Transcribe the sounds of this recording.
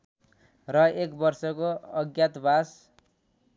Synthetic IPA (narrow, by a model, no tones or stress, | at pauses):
rʌekbʌrsʌkoʌɡjat̪bʱas